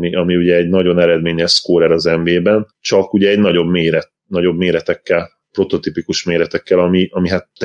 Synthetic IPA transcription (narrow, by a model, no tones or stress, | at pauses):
iʔɒmiuɟɛːɟnɒɟo̞nɛɾɛd̪meːɲɛʃskoːɾɛɾɒzɛɱveːbɛnt͡ʃɒkuɟɛːɟnɒɟo̞bmeːɾɛt̪ | nɒɟo̞bmeːɾɛt̪ɛkːɛl | pɾo̞t̪o̞t̪ipikuʃmeːɾɛt̪ɛkːɛlɒmiʔɒmiɦat̪ː